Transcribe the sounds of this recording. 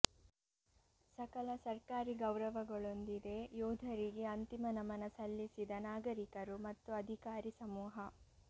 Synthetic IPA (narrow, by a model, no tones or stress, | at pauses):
sɐkɐlɐsɐɾkaːɾiɡɐwɾɐʋɐɡɐɭond̪id̪e̞joːd̪ʱɐɾiɡe̞ɐnt̪imɐnɐmɐnɐsɐlːisid̪ɐnaːɡɐɾikɐɾumɐt̪ːuɐd̪ʱikaːɾisɐmuːɦɐ